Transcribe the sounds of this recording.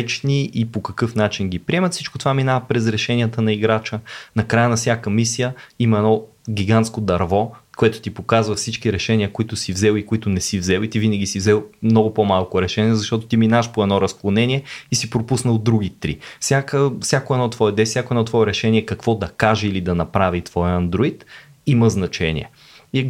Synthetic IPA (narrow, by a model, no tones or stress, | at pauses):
t͡ʃniʔipokɐkɤfnat͡ʃinɡʲipɾʲiɛmɐt̪fsit͡ʃkʊ̥t̪ovaminavəpɾɛzɾɛʃɛnijət̪ənɐiɡɾat͡ʃənɐkɾajənɐfsʲjakəmisijəimɐɛdnɔ | ɡʲiɡant̪skod̪ɐɾvɔkoɛt̪ʊ̥t̪ipokazvɐfsit͡ʃkiɾɛʃɛniəkoit̪ʊsivzɛlˠikoit̪ʊnɛsivzɛlˠit̪ivinəɡisivzɛlˠmnɔɡʊpomalˠkʊɾɛʃɛniəzɐʃt̪ɔt̪ʊ̥t̪iminaɐʃpoɛd̪nɔɾɐsklˠonɛniɛisipɾopusnəlˠd̪ɾuɡ̟it̪ɾḭfsʲjakəfsʲjakoɛd̪nɔt̪vɔɛd̪ɛsjakoɛd̪ɔt̪vɔɛɾɛʃɛniɛkɐkvɔd̪ɐkaʒɛilid̪ɐnɐpɾavit̪vɔjəɐnd̪ɾoit̪ | iməznɐt͡ʃɛnʲḭɛ̰ | i